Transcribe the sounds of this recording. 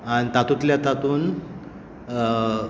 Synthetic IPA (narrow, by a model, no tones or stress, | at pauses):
aɽ̃it̪at̪ut̪ljat̪at̪uːn